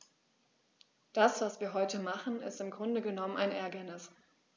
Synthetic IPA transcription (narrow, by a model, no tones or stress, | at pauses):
d̥asv̥asv̥iːɐɦɔʏtəmaχn̩ɪ̰stɪmɡʁʊndəɡənɔməna̰ɪnʔɛːɐɡənɪs